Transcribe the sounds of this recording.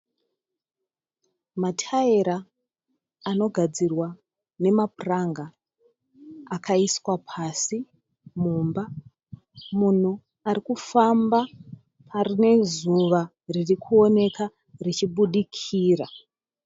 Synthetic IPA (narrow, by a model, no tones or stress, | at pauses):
matʰaeɾaː | no̞ɡʱad͡zirwa | ne̞mapuraŋɡa | kʰaiswapʰasi | muːmba | mun̤u | aɾikufamba | pʰarine̞zuʋa | ririkʰuo̞ne̞ka | rit͡ʃiɓuɗikʰiːra